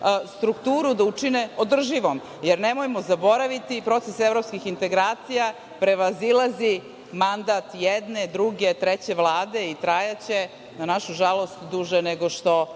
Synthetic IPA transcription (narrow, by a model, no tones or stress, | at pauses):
st̪ɾukt̪uːɾud̪aut͡ʂineod̪r̩ʒiʋo̞m | jeɾne̞mojmozabo̞ɾaʋit̪ipɾo̞t̪sesevɾo̞pskixint̪e̞ɡɾaːt̪sija | pɾe̞ʋazilˠazi | mand̪at̪jed̪ne̞d̪ɾuɡet̪ɾet͡ɕe̞ʋlˠaːd̪e̞it̪ɾajat͡ɕe̞ | nanaʃuʒalˠo̞st̪d̪uʒeneɡo̞ʃt̪o̞